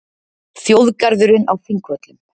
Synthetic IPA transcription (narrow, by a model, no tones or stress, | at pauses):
θjowðkaɾðʏɾʏnawfiŋkvœt̪lʏm